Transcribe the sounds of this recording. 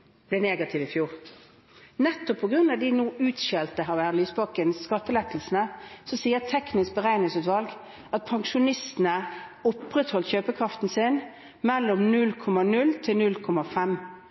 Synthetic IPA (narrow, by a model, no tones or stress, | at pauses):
b̥lɛneːɡɑt̪ʰɪʋɪfjuːʁ | nɛt̪ːɔpʰːɔɡʁʉnɑd̪ɪnuːʔʉːt̪ʃeːlt̪əɦɑʋæʁlyːsbɑkənskɑt̪ːəlɛt̪l̩sn̩əsɔsiːət̪ʰɛknɪsk̚bəʁæɪnɪŋsʉːt̪ʋɑlɡ | ɑt̪̚pʰɑŋʂʊnɪst̪n̩əʊpːʁɛt̪hɔlçøːpəkʰʁɑft̪n̩sɪn | mɛlːɔmnʉlkʰɔmɑnʉlt̪ʰɪlnʉlkʰɔmɑfɛm